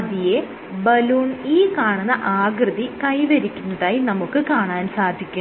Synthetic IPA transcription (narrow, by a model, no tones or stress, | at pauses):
d̪ije | bɐluːɳiːkaːɳunːɐʔaːɡrɨðikɐjʋɐɾikʲːunːɐðaːjinɐmukːɨkaːɳaːnsaːd̪ʱikʲːu